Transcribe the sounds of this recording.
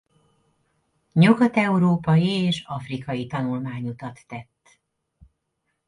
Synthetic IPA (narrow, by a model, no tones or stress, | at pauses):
ɲuɡɒt̪ɛuɾoːpɒjieːʃɒfrikɒjit̪ɒnulmaːɲut̪ɒt̪ːɛt̪ː